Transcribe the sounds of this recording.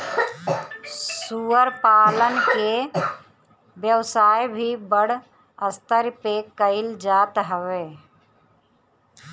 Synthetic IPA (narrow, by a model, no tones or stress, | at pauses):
suəɾpaːlənke | bjəwsaːjbʱibəɽ̤ | əst̪əɾpekəɪld͡ʒaːt̪ɦəʋeː